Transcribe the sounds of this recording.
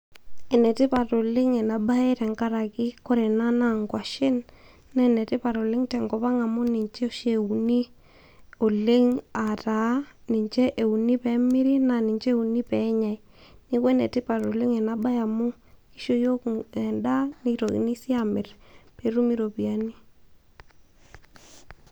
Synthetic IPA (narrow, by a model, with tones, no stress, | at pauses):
ɛ˨nɛ˨tɪ˦pa˨to˨lɪ˦ŋɛ˨na˨ba˦e˦tɛ˨ŋka˦ɾa˨kɪ˦kɔ˦ɾɛ˨na˦na˦ŋkwa˨ʃɪ˦nː | a˦˨nɛ˨tɪ˦pa˨ɾo˨lɪ˦ŋtɛ˨ŋɡɔ˨pa˦ŋa˨mʊ˦nɪ˨ɲt͡ʃʃe˨u˨ni˦ | o˨le˦ŋa˨ta˨˦nɪ˨ɲt͡ʃɛ˦ʔe˨u˨ni˦pɛ˨˦mɪ˦ɾi˦na˨nɪ˨ɲt͡ʃe˦u˨ni˦pɛ˨˦ɲa˨j | nɪ˦kwɛ˦nɛ˨tɪ˦pa˨ɾo˨lɪ˦ŋɛ˨na˦ba˦ja˨mʊ˦ | i˦ʃo˦jo˦kɛ˨nda˦ni˦to˨ɣḭ˨ni˦si˦a˨mɪ˨rpe˨ɾu˦mi˦ɾo˨pi˨a˦ni˦